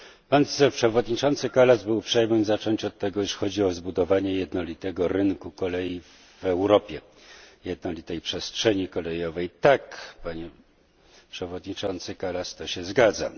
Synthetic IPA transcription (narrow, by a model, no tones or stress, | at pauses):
pansɛpʂɛvɔd̪ɲit͡ʂɔnt̪sɘkalasbɘwpʂɛjmɘmzat͡ʂɔɲt͡ɕɔt̪ːɛɡɔiʂxɔd͡ʑiɔzbud̪ɔvaɲɛjɛd̪nɔlʲit̪ɛɡɔɾɘŋkukɔlɛji | vɛwɾɔpʲjɛ | jɛd̪nɔlʲit̪ɛjpʂɛstʂɛɲikɔlɛjɔvɛjt̪akpaɲɛ | pʂɛvɔd̪ɲit͡ʂɔnt̪sɘkalast̪ɔɕɛzɡad̪za̰